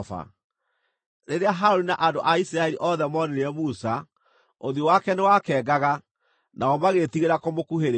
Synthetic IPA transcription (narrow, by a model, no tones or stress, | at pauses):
fa̰ | ɾeɾeaɦaɾoɾinaʔandoʔaisiɾaɛɾiʔɔðɛmɔneɾɛmusa | oðiowakɛnewakɛːɡaɣa | nʔaɔmaɣetiɣeɾakomokuɦeɾ